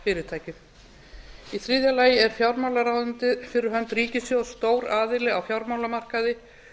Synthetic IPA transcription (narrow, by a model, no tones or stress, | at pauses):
fɪːɾɪt̪ʰaːjcɪ | iθɾiːðjalaːjɪɛɾ̥fjawɾmawlaɾawðʏnt̪ɪðfɪɾɪɾ̥ɦœnt̪riːcɪsjowst̪oːwɾaːðɪlɪɣawfjawɾmawlamar̥kaðɪ